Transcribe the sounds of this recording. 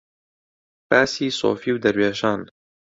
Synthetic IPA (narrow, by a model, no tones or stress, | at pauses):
pæːsiːso̰ːfiːwd̪ɐɾweːʒɑːn